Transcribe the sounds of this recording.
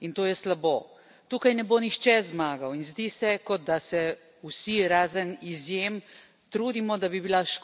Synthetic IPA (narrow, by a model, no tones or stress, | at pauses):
int̪oːjɛslaboː | t̪uːkajnɛboːnixt͡ʃɛzmaːɡawinzd̪isɛkɔd̪̚d̪asɛ | usiɾaːzənizjeːm | t̪ɾuːd̪imɔd̪abibilaʃ